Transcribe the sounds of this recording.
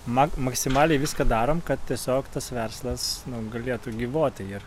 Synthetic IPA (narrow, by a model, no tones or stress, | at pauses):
mɐmɐksʲɪmɑːlʲɛɪʋʲɪskɐd̪ɑːɾoːmkɐt̪t̪ʲiɛsʲoːkt̪ɐsʋʲɛrslˠɐsnʊɡɐlʲeːt̪ʊɡʲiːʋoːt̪ʲɪɪr